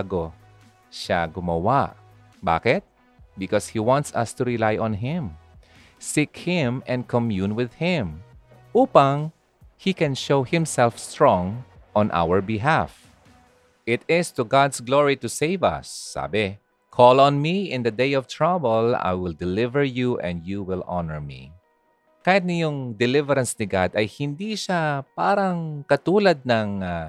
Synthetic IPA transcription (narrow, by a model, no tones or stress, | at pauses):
ɡo | ʃa̰ɡʊmɐwaʔ | ba̰ːkɪt̪̚ | bɪkɔshiwãnt̪sɐ̰st̪uɹɪlajʔɔ̃nɦɪ̃m | sikhɪ̃mɛ̃nd̪̚kʰɔmjunwɪð̥hɪ̃m | ʔuːpaŋ | hikɛ̃nʃowhɪ̃msɛlfst̪ɹɔ̃ŋʔɔ̃nʔa̰wəɹbɪɦaf | ʔɪt̪ɪst̪ʊɡad̪sɡloɹit̪ʊsejvɐ̰sːa̰ːbɪ | kʰɔlɔ̃nmiɪ̃nd̪ɐd̪ejɔvt̪ʰɹabɛla̰jwɪld̪ɛlɪvɛɹjuʔɛ̰̃nd̪̚juwɪlʔa̰nɛɹmḭ | kaːhɪt̪̚nɐjʊŋd̪ɛlɪvɛɾɐ̃nsnɪɡad̪ɐjhɪnd̪iʃapaːɾɐŋkɐt̪uːlɐd̪̚nɐŋa